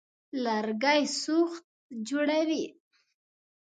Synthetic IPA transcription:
laɾɡajsuxt̪̚d͡ʒoɽawi

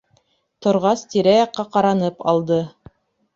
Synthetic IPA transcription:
t̪ŏɾʁɑst̪iɾæjɑqːɑqɑɾɑnɤpɑlˠd̪ɤ

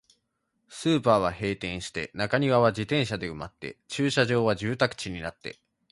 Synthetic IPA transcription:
sɨːpaːβ̞ahe̞ːt̪ẽ̞ɰ̃ɕi̥t̪e̞̰nakaɲ̟iβaβ̞ad͡ʑit̪ẽ̞ɰ̃ɕad̪e̞ɯmat̪ːe̞̰t͡ɕɨːɕaʑo̞ːβaʑɨːt̪akɯ̟̥t͡ɕiɲ̟inat̪ːe̞̰

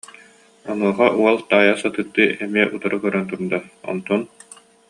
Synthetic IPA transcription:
ɔnuɔχaʔuɔlˠt̪aːjaːsat̪ɯt̪ːɯɛmiɛʔut̪aɾɯkœɾœnt̪uɾd̪aɔ̰nt̪ɔn

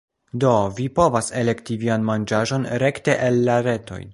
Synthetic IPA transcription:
do̞vipo̞vase̞le̞ktivianmand͡ʒaʒo̞nɾe̞kte̞ʔelːaɾe̞to̞̰j

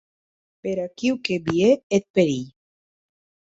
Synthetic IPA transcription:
peɾakiwkebieet̪̚peɾiʎ

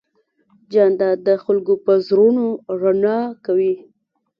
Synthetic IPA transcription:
d͡ʒɑnd̪ad̪əxʊlɡopəzɾunoɾanɑkawi

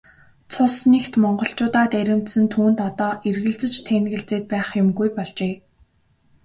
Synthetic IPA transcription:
t͡sʰʊsnext̪mɔɴɢɞ̆ɬt͡ɕʊːt̪aːt̪æɾʲɪ̆m̥t̪sɘ̆nt̪ʰuːnt̪ɔt̪ɔːʔerɣɘ̆ɮt͡sɘ̆t͡ɕt̪ʰænɣɘ̆ɮt͡seːt̪̚pæːχjʊmɡujpɔɮt͡ɕeː

